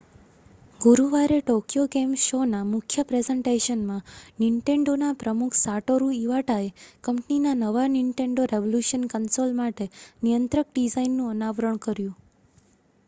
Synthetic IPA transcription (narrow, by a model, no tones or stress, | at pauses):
ɡuɾuʋaɾeʈokjoɡemʃonamʊkʰjəpɾezeɳʈeʃənmãniɳʈeɳɖonapɾəmukʰsaʈoɾuiʋaʈaekəmpninanəʋaniɳʈẽɳɖoɾeʋoljuʃənkənsolmaʈenijənt̪ɾək̚ɖid͡ʒainːũənaʋɾəɳkəɾjũ